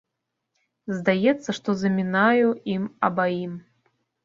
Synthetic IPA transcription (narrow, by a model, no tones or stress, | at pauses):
zd̪ajɛt̪sːɐʂt̪ɔzɐmʲinajuimɐbaim